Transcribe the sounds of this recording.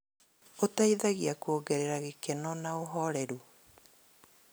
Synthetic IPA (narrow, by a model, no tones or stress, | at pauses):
otaiðaɣiakuoɡɛɾeɾaɣekɛnɔnaoɦɔɾɛɾu